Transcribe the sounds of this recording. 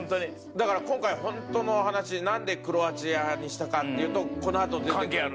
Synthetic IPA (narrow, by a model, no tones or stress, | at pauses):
nt̪oɲi | d̪akaɾakõ̞ŋkaihõ̞nt̪o̞no̞hanaɕinãnd̪e̞kɯ̟ɾo̞at͡ɕijaɲ̟iɕi̥t̪akat̪ːe̞jɯ̟ːt̪o̞ko̞no̞at̪o̞d̪ekãekeːaɾ